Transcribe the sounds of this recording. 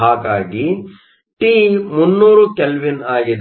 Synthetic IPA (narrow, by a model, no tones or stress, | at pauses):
aːkaːɡi | ʈiːmunːuːɾukɛlʋinaːɡid̪